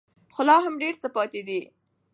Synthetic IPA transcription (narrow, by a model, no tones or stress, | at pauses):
xʊlɑɦamɖeɾt͡səpɑt̪ed̪i